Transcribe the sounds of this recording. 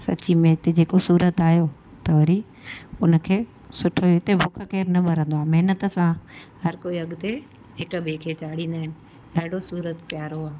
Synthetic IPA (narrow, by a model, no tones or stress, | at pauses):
sɐ̰t͡ɕimẽt̪ed͡ʑeːkosuːɾət̪aːɦjo | t̪ɐʋɐɾi | ʊnə̆kʰeː | sʊʈʰoɪt̪ebokʰəkeːɾnɐbʱɐɾə̃nd̪oaːmɐɦɪnət̪sãhɐɾkoːiɐɠt̪e | ɦɪkbʱekʰeːt͡ɕaːɽĩːnd̪aːɦɪnɪ̆ | ɗaːɖʱosuːɾət̪pjaːɾoaː